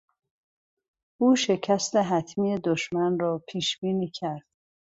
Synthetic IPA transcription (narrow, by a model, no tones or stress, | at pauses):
ʔuːʃe̞cʰæst̪eɦæt̪ʰmiːed̪oʃmænrɒːpʰiːʃbiːniːcʰæɾd̪̥